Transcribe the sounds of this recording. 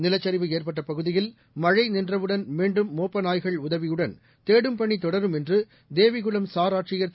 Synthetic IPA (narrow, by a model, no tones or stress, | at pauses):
nɪlɐt͡ʃːɐɾɪʋɯeːrpɐʈːɐpɐɣɯðɪjɪl | mɐɻɐɪnɪndrɐʋɯɽɐnmiːɳɖɯmːoːpːɐnaːjɣɐɭʊðɐʋɪjɯɽɐn | t̪eːɽɯmpɐɳːit̪ɔɽɐɾɯmɛndrɯ | d̪eːʋɪɣɯlɐmsaːɾaːʈrɪjɐɾ